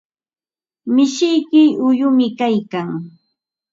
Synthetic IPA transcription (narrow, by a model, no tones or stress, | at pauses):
mɪʃɪjkɪʊjʊmɪkajkaŋ